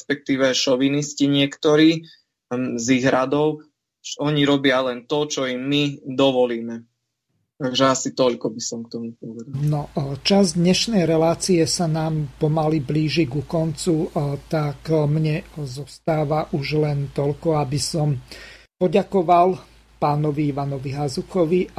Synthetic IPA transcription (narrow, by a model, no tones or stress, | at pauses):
spɛk̚t̪iːʋɛʃɔʋinisciɲɪɛkt̪ɔɾiː | ziɣɾad̪ɔʊ | ɔɲiɾɔbɪalɛnt̪ɔt͡ʃɔimːid̪ɔʋɔliːmɛ | t̪aɡʒɛasit̪ɔʎkɔbisɔmk̚t̪ɔmupɔʋɛd̪anɔt͡ʃazd̪ɲɛʃnɛjɾɛlaːt͡siɛsanaːmpɔmalibliːʒiɡukɔnt͡sut̪akmɲɛzɔst̪aːʋaʔuʒlɛnt̪ɔʎkɔabisɔmpɔɟakɔʋal | paːnɔʋiiʋanɔʋiɦazuxɔʋi